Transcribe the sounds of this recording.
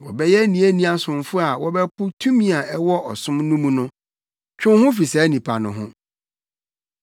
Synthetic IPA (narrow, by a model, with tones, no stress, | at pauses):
wɔ̰˨bɛ˦jɛ˦nĩ˨˦æ˦nĩ˦a˨sʊ̃˨mfʊ˦a˨wɔ˦bɛ˦pʊ˦tʰu˦mĩ˨a˨ɛ˦wɔ˦ɔ˨sʊ̃˦mnũ˦mũ˦nʊ̃˦ | t͡ɕᶣʊ̃˦hʊ̃˦fi˨sɛ˨˦nĩ˨pʰa˨nʊ̃˨ɦʊ̰̃˦